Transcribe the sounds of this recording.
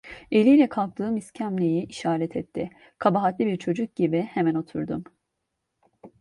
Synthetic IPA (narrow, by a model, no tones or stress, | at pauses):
e̞lʲijlʲɛkʰalˠk̚t̪ʰɯːmiscʰæmlʲejiʔiʃaːɾɛt̪ʰɛt̪ʰːɪ | kʰabaɦat̪lʲibiɾt͡ʃʰo̞d͡ʒuk̚ɟibihemæno̞t̪ʰṵɾd̪um